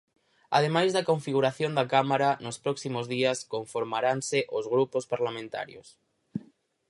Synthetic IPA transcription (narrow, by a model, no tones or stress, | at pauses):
a̰ð̞emajzðɐkoɱfiɣ̞uɾaθjond̪akamaɾanospɾɔksimozðiɐskoɱfoɾmaɾanseʔozɣ̞ɾupospaɾlamẽnt̪a̰ɾjo̰s